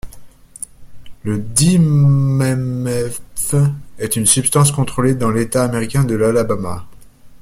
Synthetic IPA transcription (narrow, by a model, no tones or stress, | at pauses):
ləd̪imɛmɛfɛt̪ynsypst̪ɑ̃skɔ̃t̪χoled̪ɑ̃let̪aːmeʁikʲɛ̃d̪əlalabama̰